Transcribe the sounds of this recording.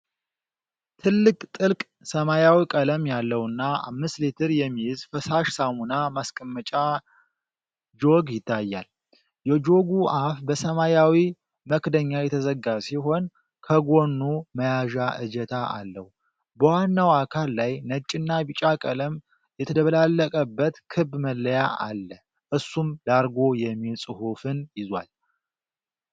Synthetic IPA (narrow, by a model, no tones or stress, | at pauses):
t̪ʰɨlːɨkʼt̪ʼɨlkʼ | səmajawikʼələmjalːəwɨnːaa̰mːɨst̪lit̪ʰɨɾjɛmːijɪzfəsaʃsamunamaskʼəmːət͡ʃʼa | d͡ʒo̞ɡjɪt̪ʰːajːa̰l | jɛd͡ʒo̞ɡuʔafbəsəmajawi | məkd̪əɲːajɛt̪ʰəzəɡasiɦo̞n | kʰəɡo̞nːuməjaʒaʔɨ̰d͡ʒɛt̪ʰaʔa̰lːəhu | bəwanːawakʰalːajnət͡ʃʼɪnːabɨt͡ʃʼakʼələm | jɛt̪ʰəd̪əβəlalːəkʼəbːət̪kʰɨbːməlːəjaʔa̰lːə | ʔɨsːumd̪aɾɡo̞jɛmːilsʼɨhufɨnjɪzwa̰l